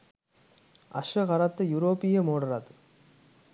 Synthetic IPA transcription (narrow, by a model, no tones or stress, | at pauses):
ɐ̰ʂʋɐɣɐɾɐt̪ːɨjuɾoːpːijemoːɽɐɾɐðɯ